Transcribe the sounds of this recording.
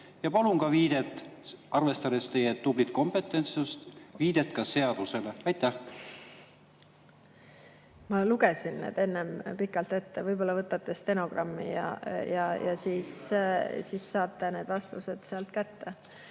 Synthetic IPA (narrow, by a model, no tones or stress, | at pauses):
jɑpɑluŋkɑviːd̪̥et̪ːˑɑrvest̪ɑd̪e̞st̪e̞jed̪̥ublit̪ko̞mpe̞t̪ːˑent̪sust̪viːd̪̥et̪kɑse̞ɑd̪̥use̞leɑjt̪ːæh | mɑluɡesinːḛːd̪̥e̞nːempikːˑɑlt̪e̞t̪ːevɤjbo̞lːɑvɤt̪ːˑɑt̪ːˑe̞st̪e̞no̞ɡ̥rɑmːḭjɑ̰jɑjɑ̰siːssiːsːɑːt̪ːˑeneːd̪vɑst̪use̞d̪̥seɑlt̪kæt̪ːe̞